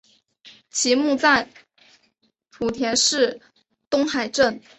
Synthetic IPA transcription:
t͡ɕʰi˧˥mu˥˧t͡sa˥˩ɪ | pʰu˨˩t̪ʰjɛ˧˥nʂɻ̩˥˩ | t̪ʊ˥ŋxa˨˩ɪʈ͡ʂə˥˩n

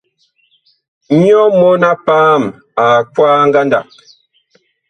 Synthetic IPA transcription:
ɲ˦ɔ˦mo˦na˦paː˦m | a˨kwaː˦ŋ˦ɡa˦nda̰˨

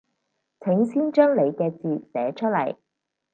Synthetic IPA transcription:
t͡sʰɪ˨˥ŋsiː˥nt͡ʃœː˥ŋle˨˧jkɛː˧t͡siː˨˩sɛː˨˥t͡ʃʰɵ˥t̚lɐ̰˨˩j

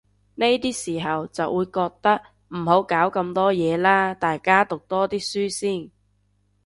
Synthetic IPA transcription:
ne˥jt̪iː˥siː˨˩ɦɐ˨wt͡sɐ˨wʔuː˨˧jkɔː˧k̚t̪ɐ˥k̚ | m̩˨˩ɦo˨˥wkaː˨˥wkɐ˧mt̪ɔː˥jɛː˨˧laː˥t̪aː˨jkaː˥t̪ʊ˨k̚t̪ɔː˥t̪iː˥syː˥siː˥˩n

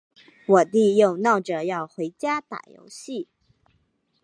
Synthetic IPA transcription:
wɔ˨˩t̪i˥˧jo˥˩ʊnɑ˥˩ʊʈ͡ʂɤ˨˩˦jɑ˥˩ʊxwe˧˥ɪt͡ɕja˥t̪a̰˨˩jo̰˧˥ʊɕi˥˩

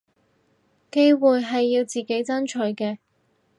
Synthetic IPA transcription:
ke˥jwuː˨jɦɐ˨jːiː˧wt͡siː˨ke˨˥jt͡sɐ˥nt͡ʃʰɵ˨˥ɥkɛː˧

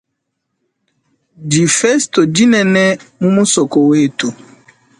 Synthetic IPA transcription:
d͡ʒi˨fe˦sto˨d͡ʒi˦nɛ˨nɛ˦mu˦mu˦sɔ˨ko˨we˦˨tu˨

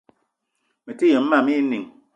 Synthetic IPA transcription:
me˨ti˦je˨m̩˦ma˨mi˦ni˨ŋ

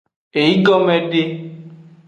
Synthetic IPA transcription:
e˨ji˦ɡɔ˦mẽ˨ɖe˦

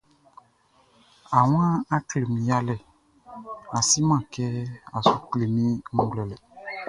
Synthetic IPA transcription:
a˨w̃ã˦a˦kle˨mĩ˨ja˦lɛ˨ | a˨si˦mã˦˨kɛ˦a˨su˨k͡ple˨mĩ˦ŋ̩˦ɡlɛ˨lɛ˨

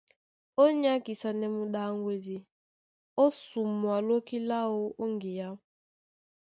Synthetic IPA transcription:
o˦ɲa˦ki˨sa˨ne˨mʊ˦ɗa˦ŋɡʷe˦d͡ʒi˨ | o˦su˨mwa˨lo˦ki˦la˦ʊ˦o˦ŋ˦ɡi˨ja˦

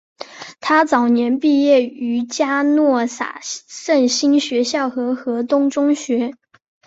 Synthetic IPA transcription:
t̪ʰa˥t͡sɑ˨˩ʊnjɛ˧˥npi˥˧jɛ˥˩y˧˥t͡ɕja˥nwɔ˥˩sa̰˨˩ʂə˥˩nɕi˥nɕɥɛ˧˥ɕjɑ˥˩ʊxɤ˧˥xɤ˧˥t̪ʊ˥ŋʈ͡ʂʊ˥ŋɕɥɛ˧˥

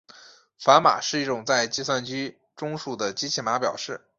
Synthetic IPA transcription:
fa˧˥ma̰˨˩ʂɻ̩˥˧i˥˩ʈ͡ʂʊ˨˩ŋt͡sa˥˧ɪt͡ɕi˥˧swa˥˩nt͡ɕy˥ | ʈ͡ʂʊ˥ŋʂu˥˩d̪ə˩t͡ɕi˥t͡ɕʰi˥˩ma˧˥pjɑ˨˩ʊʂɻ̩˥˩

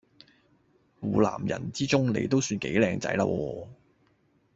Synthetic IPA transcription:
wuː˨la̰ː˨˩mjɐ̰˨˩nt͡siː˥t͡sʊ˥ŋnḛ˨˧jt̪o˥wsyː˧nke˨˥jlɛː˧ŋt͡sɐ̰˨˧˥jla̰ː˧˥wɔː˧

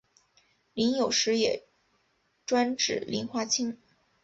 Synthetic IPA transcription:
li˧˥njo˨˩ʊʂɻ̩˧˥jɛ˨˩ | ʈ͡ʂwa˥nʈ͡ʂɻ̩˨˩lʔḭ˧˥nxwa˥t͡ɕʰi˥ŋ

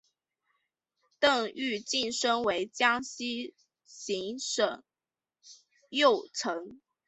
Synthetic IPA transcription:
t̪ɤ˥˧ŋy˥˧t͡ɕi˥˩nʂɤ˥ŋwe˧˥ɪt͡ɕjɑ˥ŋɕi˥ | ɕi˧˥ŋʂə˨˩ŋ | jo˥˩ʊʈ͡ʂʰɤ˧˥ŋ

